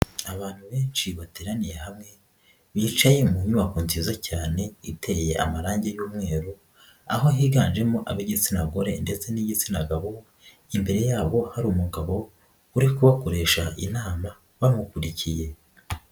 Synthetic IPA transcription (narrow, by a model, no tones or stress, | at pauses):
aβaːn̥huβe̞ːnʃiβateːɾanije̞hamŋe̞ | βiːt͡ʃaje̞muɲumakunzizacaːne̞ite̞jeʔa̰maɾaːɲɟejuːmŋe̞ːɾo | a̰ɦo̞ɦiːɡaːnʒe̞moʔa̰βiɟit͡sinaɡo̞ɾe̞̰nde̞t͡se̞niɟit͡sinaɡaβo̞ | imbe̞ɾe̞jaːβo̞haɾuːmuɡaβo̞ | uɾikuβakoɾe̞ːʃaʔinaːma | βamukuɾicije̞